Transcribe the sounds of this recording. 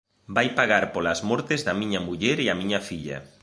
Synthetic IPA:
bajpaɣaɾpolɐzmɔɾt̪ezðɐmiɲɐmuʎɛɾiɐmĩɲɐfiʎɐ̰

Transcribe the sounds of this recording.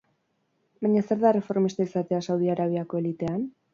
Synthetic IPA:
bajɲase̞ɾðare̞fo̞ɾmist̪aisat̪e̞asawðiaɾaβ̞iako̞e̞lit̪e̞an

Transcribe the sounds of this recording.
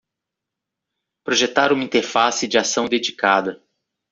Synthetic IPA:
pɾoʒet̪aɾũmɐĩt̪eɾfasɪd͡ʒɪasɐ̃w̃d̪ed͡ʒikad̪ɐ

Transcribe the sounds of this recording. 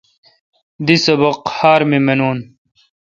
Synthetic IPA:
d̪isɐbɐqhaːɾmimenuːn

